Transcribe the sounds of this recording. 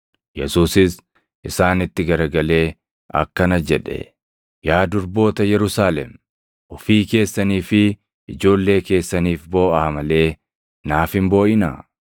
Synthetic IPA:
jɛsuːsɪs | ʔɪsaːnɪt̪ːɪɡɐɾɡɐle̞ː | ʔɐ̰kːɐnɐd͡ʒɛᶑɛ̰ | jaːd̪ʊɾbo̞ːt̪ɐjɛɾʊsaːlɛm | ʔɔfiːke̞ːsːɐniːfɪ | ɪd͡ʒo̞ːlːe̞ːke̞ːsːɐniːfbo̞ːʔɐmɐle̞ː | naːfɪmbo̞ːʔɪna̰

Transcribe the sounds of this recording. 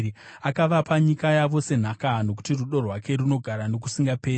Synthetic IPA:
akaʋapaɲikajaʋo̞se̞n̤akano̞k̬u̥tiruɗo̞rwake̞runo̞ɡʱaɾano̞k̬u̥siŋɡapeː

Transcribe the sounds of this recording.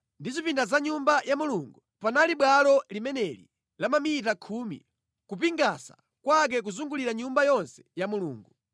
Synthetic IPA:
ndizipindazaɲumbajamuluŋɡu | panaliɓwalɔlimɛnɛlḭ | lamamitakʰumḭ | kup̬iŋɡasa̰ | kwak̬ɛk̬uzuŋɡuliɾaɲumbajɔnsɛ̥jamulṵːŋɡu

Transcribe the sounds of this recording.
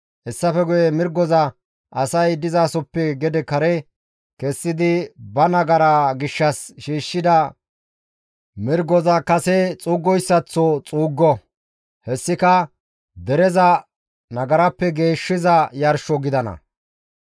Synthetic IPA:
hɛsːɐfɛɡʊjɛmɪɾɡːɔzɐ | ʔɐsɐjd̪ɪzasɔpːɛɡɛd̪ɛkɐɾɛ | kɛsːɪd̪ɪbɐnɐɡɐɾaɡɪʃːɐsʃiːʃːɪd̪ɐ | mɪɾɡɔzɐkɐsɛt͡sʼuːɡːɔjsːɐt͡sːɔt͡sʼuːɡːɔ | hɛsːɪkɐ | d̪ɛɾɛzɐ | nɐɡɐɾɐpːɛɡe̞ːʃːɪzɐjɐɾʃɔɡɪd̪ɐnɐ̰

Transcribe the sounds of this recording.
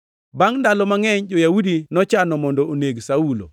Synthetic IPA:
baŋndalɔmaŋɛɲd͡ʒojaudinɔt͡ʃanɔmɔndɔoneɡsaulo̰

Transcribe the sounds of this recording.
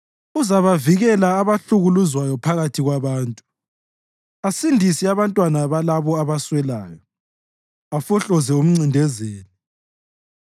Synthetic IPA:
uzaβaviɣɛlaːβaɬuɣuluzwajɔpʰaɣatʰiɣwaβaːntʼu̥ | asindʱisiaβantʼwanaβalaβɔaβaswɛlaːjɔ | afɔɬɔzɛum̩ŋ͡ǀindʱɛzeːni

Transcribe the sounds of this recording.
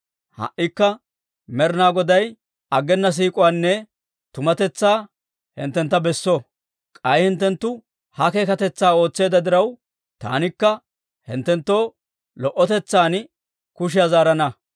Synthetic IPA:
hɐ̰ʔɪkːɐ | mɛɾnaːɡɔd̪ɐj | ɐɡːɛnːɐs̬iːkʼɔwaːnːɛ | t̪ʊmɐt̪ɛt͡sːaː | hɪ̰nt̪ːɛnt̪ːɐbɛsːɔ | kʼɐjhɪnt̪ːɛnt̪ːʊ | hɐke̞ːkɐt̪ɛt͡sːaːo̞ːt͡sːe̞ːd̪ɐd̪ɪɾɐw | t̪a̰ːnɪkːɐ | hɪ̰nt̪ːɛnt̪ːo̞ː | lɔʔɔt̪ɛt͡sːaːn | kʊʃ̬ɪjazaːɾɐnɐ

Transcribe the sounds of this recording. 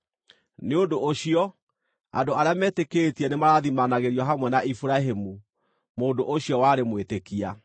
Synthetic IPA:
neondoʔoɕiɔ | a̰doaɾeamɛːtekeːtiɛnemaɾaðimanaɣeɾiɔɦamwɛnaʔifuɾaɦemu | moːdoʔoɕiɔwaɾemwetekia

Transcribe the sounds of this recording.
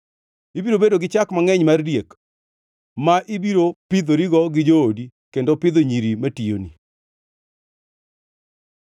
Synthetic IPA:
ibiɾobedoɡɪt͡ʃakmaŋɛɲmardjek | maʔibiɾopid̪oɾiɡɔɡɪd͡ʒoodi | kendopɪd̪oɲiɾimatijo̰ni

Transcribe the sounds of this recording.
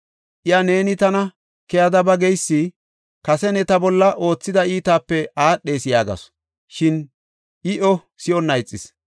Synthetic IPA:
ʔɪɐne̞ːnɪt̪ɐnɐ | kɛjɐd̪ɐbɐɡɛjsːi | kɐsɛnɛt̪ɐbɔlːɐʔo̞ːt͡sːɪd̪ɐiːt̪aːpːɛaːɗe̞ːsɪjaːɡɐ̰s | ʃɪn | ʔɪʔɔ | sɪɔnːɐjt͡sʼːɪs

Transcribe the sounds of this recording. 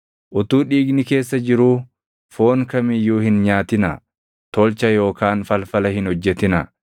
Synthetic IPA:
ʔʊt̪uːᶑiːɡnɪke̞ːsːɐd͡ʒɪɾuː | fo̞ːnkɐmɪjːuːhɪnɲaːt̪ɪnɐ | t̪ɔːlt͡ʃɐjo̞ːkaːnfɐlfɐlɐhɪnhɔd͡ʒːɛt̪ɪnɐ

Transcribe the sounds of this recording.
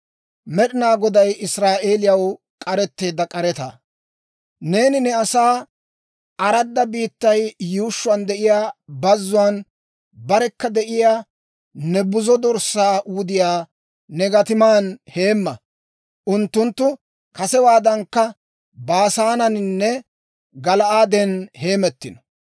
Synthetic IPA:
mɛɗɪnaːɡɔd̪ɐjɪsɾaːʔe̞ːlɪjɐw | kʼɐɾɛt̪ːe̞ːd̪ɐkʼɐɾɛt̪ɐ̰ | ne̞ːnɪnɛɐsaː | ɐɾɐd̪ːɐbiːt̪ːɐjjuːʃːʊɐnd̪ɛʔɪjaːbɐzːʊwan | bɐɾɛkːɐd̪ɛʔɪjaː | nɛbʊzɔd̪ɔɾsaːʔuːd̪ɪjaː | nɛɡɐt̪ɪmaːnhe̞ːmːɐ | ʔʊnt̪ːʊnt̪ːʊ | kɐsɛwaːd̪ɐŋkːɐ | baːsaːnɐnnːɛ | ɡɐlɐʔaːd̪ɛnhe̞ːmɛt̪ːɪnɔ̥

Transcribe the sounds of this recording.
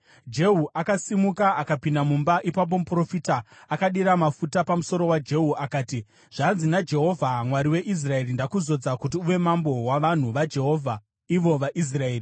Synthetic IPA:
d͡ʒe̞ɦuʔakasimukaʔakapindamumbaʔipap̬o̞mupro̞fiːtaːkaɗiɾamafutapamuso̞ɾo̞wad͡ʒe̞ɦuʔakaːti | ʐ̥anzinad͡ʒe̞ɦo̞vʱamwaɾiwe̞ʔis̬rae̞ɾindakuzo̞d͡zakut̬iuʋe̞mambo̞waʋan̤uʋad͡ʒe̞ɦo̞ːvʱa | iʋo̞ʋaʔis̬rae̞ːri

